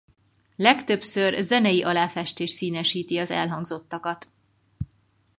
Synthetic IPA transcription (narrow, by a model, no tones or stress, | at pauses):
lɛkt̪ø̞psørzɛnɛjiʔɒlaːfɛʃt̪eːʃt̪siːnɛʃiːt̪iɒzɛ̰lɦɒŋɡzo̞t̪ːɒkɒt̪